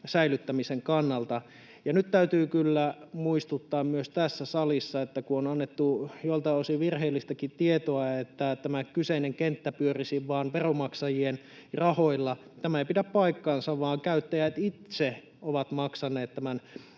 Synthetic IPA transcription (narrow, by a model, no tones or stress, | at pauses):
sæilyt̪ːæmiseŋkɑnːɑlt̪ɑ | jɑnyt̪t̪æyt̪yːkylːæmuist̪ut̪ːɑːmmyøst̪æsːæsɑlisːɑet̪ːækuonɑnːet̪ːujolt̪ɑosiʋirheːlːist̪ækit̪iet̪oɑet̪ːæt̪æmækyseineŋkent̪ːæpyørisiʋʋɑːnʋeromɑksɑjien | rɑhoilːɑt̪æmæeipidæppɑikːɑːnsɑʋʋɑːŋkæyt̪ːæjæt̪it̪se | oʋɑt̪mɑksɑneːt̪t̪æmæn